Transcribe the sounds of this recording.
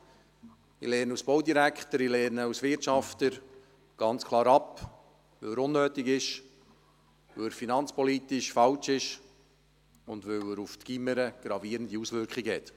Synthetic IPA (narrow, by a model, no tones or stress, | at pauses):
ḭlɛːnusb̥ɔwd̪iɾækχt̪əɾilɛɾnəusʋɪtʃɑft̪əɾ | ɡ̥ɑnt͡skʰlˠɑːɾɑp | ʋɵwəɾʊnːøːt̪ɪɡɪʃ | ɵəɾfinɑnt͡spɔlitɪʃfɑlt͡ʃɪʃ | ʊndʋɵwəɾuft̪ɡ̥iməɾəɡ̥ɾɑviːɾənd̪iusʋʏɾkχɪɡəhɛt̪